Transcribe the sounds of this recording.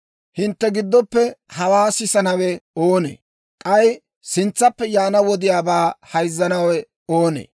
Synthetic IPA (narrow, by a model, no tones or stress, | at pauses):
hɪnt̪ːɛɡɪd̪ːɔpːɛhɐwaːsɪsɐnɐwɛoːnḛː | kʼɐj | sɪnt͡sːɐpːɛjaːnɐwɔd̪ɪjaːbaːhɐjzːɐnɐwɛ | oːnḛː